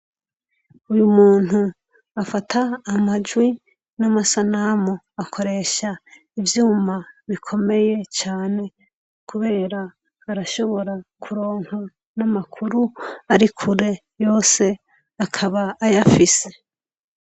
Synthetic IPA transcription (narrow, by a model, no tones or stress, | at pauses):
ujumuːn̥u | afatʰaːmad͡ʒwi | namasanamo | akʰo̞ɾe̞ːʃa | ivjuːmaβikʰo̞me̞je̞t͡ʃaːne̞ | kʰuβe̞ːɾaː | ɾaʃo̞βo̞ɾakʰuɾo̞ːŋ̥o | namakʰuɾuaɾikʰuɾe̞ | jo̞ːse̞ | akʰaβaːjafise̞̥